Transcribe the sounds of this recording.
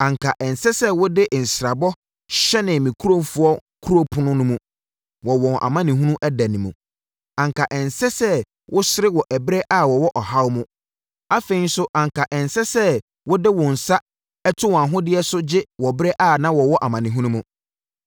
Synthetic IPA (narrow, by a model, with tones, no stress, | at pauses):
ã˨ŋkʰa˨ʔɛ˨n˨sɛ˦sɛ˦wʊ˦dɪ˦ʔn̩˨sɾa˨bɔ˦ | ɕɛ˦nɪ̃˨mĩ˨kʰu˦ɾõ˦fʊ˦ɔ˦kʰu˦ɾo˦pʰʊ˦nʊ̃˦nʊ̃˦mũ˦ | wɔ˨wɔ̃˨nʔa̰˨mã˦nɪ̃˨ɦũ˦nũ˦ʔɛ˦dæ˨nĩ˨mṵ̃˨ | ã˨ŋka˨ʔɛ˨n˨sɛ˦sɛ˦ | wʔʊ˦sɪ˦ɾɪ˦wɔ˨ʔæ˨bɾɛ˦ʔa˦˨wɔ˨wɔ˦ʔɔ˨ɦa˦wmʊ̃˦ | a˦fe˨i˦n˦sʊ˦ʔã˨ŋkʰa˨ʔɛ˨n˨sɛ˦sɛ˦ | wʊ˦dɪ˦wʊ̃˨n̩˨sa˦ | ɛ˦tʰʊ˦wã˨ɦʊ̃˦dɪ˦ɛ˦sʊ˦d͡ʑɪ˦wɔ˨bɾɛ˦ʔa˦˨nã˦wɔ˨wɔ˦ʔa˨mã˨nɪ̃˨ɦũ˦nũ˦mũ˨